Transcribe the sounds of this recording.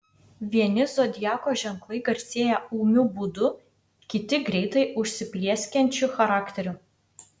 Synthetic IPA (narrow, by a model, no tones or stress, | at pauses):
ʋʲiɛnʲɪzod̪ʲjæːkoːʒʲɛŋklˠɐɪɡɐɾʲsʲeːjɛuːmʲubʊd̪ʊ | kʲɪt̪ʲɪɡɾʲɛɪt̪ɐɪʔʊʃʲsʲɪpʲlʲiɛsʲkʲɛnʲt͡ʃʲʊxɐɾɑːkt̪ʲɛɾʲʊ